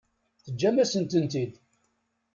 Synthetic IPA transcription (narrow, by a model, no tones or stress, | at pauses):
θəd͡ʒːæmæsənt̪ənt̪id̪